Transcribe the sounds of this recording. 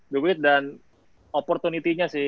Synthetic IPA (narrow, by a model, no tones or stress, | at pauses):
duwɪt̪̚dan | opɔrt̪unit̪iɲasɪ